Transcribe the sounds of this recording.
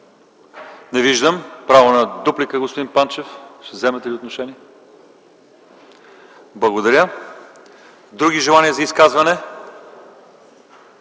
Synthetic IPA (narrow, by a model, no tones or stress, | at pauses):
nɛviʒd̪əmpɾavonɐd̪uplikəɡospod̪inpant͡ʃɛfʃt̪ɛvzɛmɛt̪ɛliot̪noʃɛnʲiɛ | blˠɐɡod̪ɐɾʲjə | d̪ɾuɡiʒɛlˠaniəzɐiskazvɐnɛ